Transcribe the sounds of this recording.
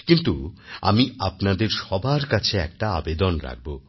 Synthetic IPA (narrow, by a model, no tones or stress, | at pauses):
kint̪ua̰miapnad̪eɾʃɔbʱaɾkat͡ɕʰeɛk̚ʈaabed̪onɾa̰k̚bo